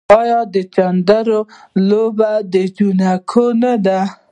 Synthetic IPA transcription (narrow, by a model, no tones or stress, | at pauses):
ɑjɑd̪ət͡ʃand̪aɾo | lobad̪əd͡ʒunakʰonad̪a